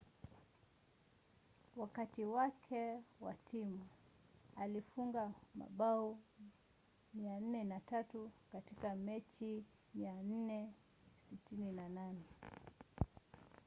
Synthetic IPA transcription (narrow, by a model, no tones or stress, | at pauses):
wakatiwakʰɛwa̰tʰimu | alifuŋɡama̰ɓau | mian̩nɛnatatukatikamɛt͡ʃi | mian̩nɛ | sitininananɛ